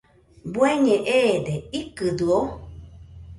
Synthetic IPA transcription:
bweɲẽʔed̪eikɨd̪ɨo

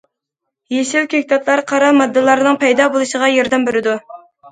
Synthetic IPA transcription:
jeʃɪlkʲʰekʲt̪ɑt̪ʰlˠɑɾqʰɑɾɑmɑd̪ːɨlˠɑɾnɨŋpʰɛjd̪ɑbolˠuʃəʁɑjɑɾd̪ɛmbeɾɪd̪u

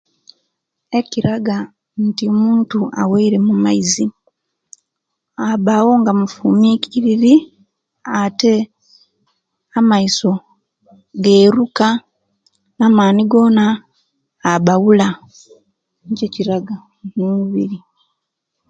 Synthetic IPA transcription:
e̞ciɾaɡa | ntiomuːntuʔa̰weiɾe̞mumaizi | abawo̞ŋɡamufumicʰiɾiɾi | ate̞ | amaiso̞ | ɡe̞ːɾuka | namaːniɡo̞ːnaː | βawula | ɲceciɾaɡa | numuβiɾi

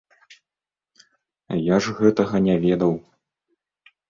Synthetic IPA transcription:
jaʐɣɛt̪ɐɣɐnʲɛvʲɛd̪ɐw

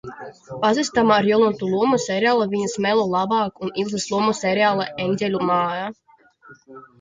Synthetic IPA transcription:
pazist̪amaːɾjɔlˠunt̪ulˠuɔmusɛɾʲaːlˠavʲiɲasmɛlˠɔlˠabɑːkunilˠzɨslˠuɔmusʲɛɾʲaːlˠaʔɛnʲdʲɛlʲumaːja

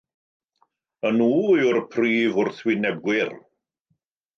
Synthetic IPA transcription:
ənuːiʊrpʰriːvʊrθwɪnɛb̚ɡwɪr

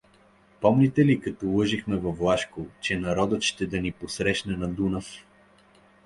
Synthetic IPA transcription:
pɔmlʲit̪ɛlikɐt̪ɔlˠɤʒixmɛvɐvlˠaʃkot͡ʃɛnɐɾɔd̪ət̪ʃt̪ɛd̪ɐniposɾɛʃnɛnɐd̪unəf

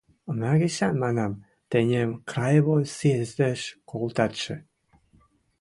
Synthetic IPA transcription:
ənɑɣĕɕɑnmɑnɑm | t̪enʲemkrɑjβosezd̪eʃkolt̪ɑt̪ʃĕ

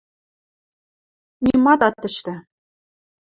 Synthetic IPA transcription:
nʲimɑt̪ɑt̪ːɘ̆ʃt̪ɘ̆

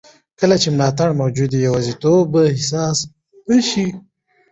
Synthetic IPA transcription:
kəlat͡ʃemlɑt̪aɽmawd͡ʒud̪ijawɑzit̪obəhɪsɑːs | bəʃi

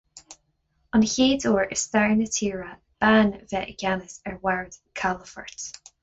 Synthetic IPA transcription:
ə̃nheːdɔɹʔɪ̰z̥θaɹnətʰiːɹə | b̥anvɛʔɪ̰ɡ̥anɪsɛɹwɛɹd̥kʰalˠəfə̰˞t

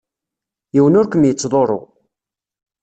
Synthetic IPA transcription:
jiwənʊɾkəmjət͡sːðˤoɾˤo̰ʁ

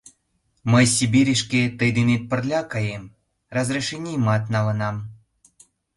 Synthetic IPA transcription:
məjsʲibʲiɾʲeʃkʲet̪əjd̪enʲet̪̚pə̆rlʲɑkɑjem | rɑzreʃenʲijmɑt̪nɑlɤ̆nɑm

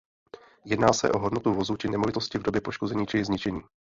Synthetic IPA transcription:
jɛdnaːsɛ̰ʔo̞ɦo̞dno̞t̪uvo̞zut͡ʃɪnɛmovɪt̪o̞scɪvdobjɛpo̞ʃko̞zɛɲiːt͡ʃɪɪzɲɪt͡ʃɛɲiː

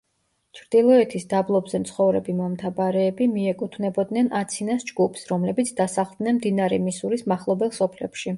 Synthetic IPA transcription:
t͡ʃʰɾd̪̥ilˠɔɛt̪ʰisd̪ablˠɔbzɛmt̪sʰχɔvɾɛbimɔmt̪ʰabaɾɛːbimiɛkʼut̪ʰnɛbɔd̪nɛnʔat̪sʰinasd͡ʒɡupʰsɾɔmlɛbit̪sʰd̪asaχlˠd̪nɛnmd̪inaɾɛmisuɾismaχlˠɔbɛlˠsɔpʰlɛpʃi

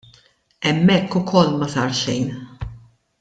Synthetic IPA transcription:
ɛmːɛkːʊkʰɔlːmɐsɐːɾʃɛjn

